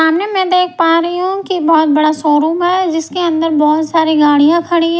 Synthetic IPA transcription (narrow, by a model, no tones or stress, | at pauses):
aːmnemɛ̃ːd̪eːk̚ʰpaːɾɐɦiɦũkibɔːt̪̚bɐɽasoːɾũːmɦɛd͡ʒɪskeɐ̃nd̪əɾbɔːt̪saːɾiɡaːɽijãkʰɐɽi